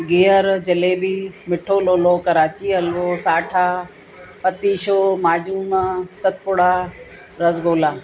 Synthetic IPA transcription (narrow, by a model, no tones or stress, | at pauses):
ɡeːəɾd͡ʑɐleːbimɪʈʰoːloːlokɐɾaːt͡ɕiɐlʋoːsaːʈʰaː | pɐt̪iːʃoːmaːd͡ʑuːnsɐt̪̚pʊɽaː | ɾɐzɡoːlaː